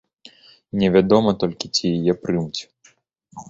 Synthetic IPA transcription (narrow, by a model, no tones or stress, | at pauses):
nʲɛvʲad̪ɔmɐt̪ɔlʲkʲit͡sʲijajɛpɾɨmt͡sʲ